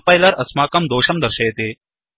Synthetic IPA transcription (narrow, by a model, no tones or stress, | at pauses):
pɐjlɐɾɐsmaːkɐmd̪oːʃɐmd̪ɐɾʃɐjt̪eː